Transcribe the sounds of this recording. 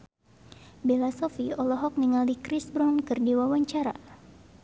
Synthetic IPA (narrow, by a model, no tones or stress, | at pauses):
belasɔfiɔlɔɦɔk̚niŋalikɾisbɾɔnkɨrdiwawaɲt͡ʃaɾa̰